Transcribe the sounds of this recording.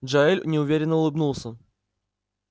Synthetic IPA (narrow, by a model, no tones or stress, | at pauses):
ʐɐelʲnʲɪʊvʲeɾʲɪnːəʊlˠɨbnulˠsʲə